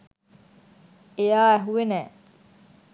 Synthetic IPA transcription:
ejaːæɦuʋenɛː

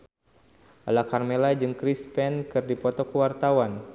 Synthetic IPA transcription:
ʔalakarmelad͡ʒɨŋkɾispɛnkɨrdipɔt̪ɔkəwart̪awan

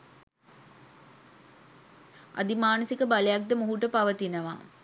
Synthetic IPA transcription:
ʔa̰d̪imaːnɐsikəbalejak̚d̪əmuɦuʈəpaʋət̪inəʋa̰ː

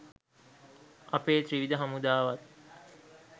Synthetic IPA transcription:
ʔɐpeːt̪riʋid̪əɦɐmud̪aːʋɐt̪

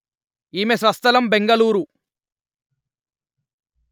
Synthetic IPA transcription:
iːmesʋɐst̪ɐlɐmbeŋɡɐluːɾu

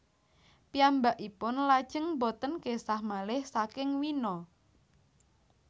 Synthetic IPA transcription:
piambaʔipʊnlad̥ʒ̥əŋbot̪ənkesahmalɪhsakɪŋwinɔ

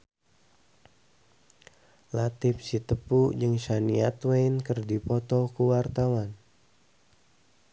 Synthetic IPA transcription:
lat̪ɪf̚sit̪əpud͡ʒəŋʃaniat̪weinkərdipɔt̪ɔkəwart̪awan

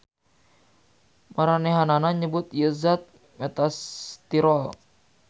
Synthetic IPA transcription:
maɾanɛɦananaɲəbʊt̪jəzat̪̚ | mɛt̪ast̪iɾɔl

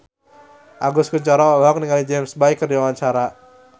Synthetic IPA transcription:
ʔaɡʊskuɲt͡ʃɔɾalaɔk̚niŋalid͡ʒɛmsbaikːərdiwawaɲt͡ʃaɾa

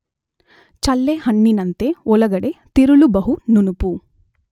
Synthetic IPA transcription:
t͡ʃɐlːeɦɐɳːinɐnt̪eɔlɐɡɐɽe̞t̪iɾulubɐɦununupu

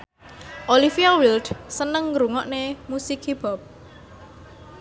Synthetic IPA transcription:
ʔolifiawildsənəŋɾuŋɔʔnemusikib̥ɔp̚

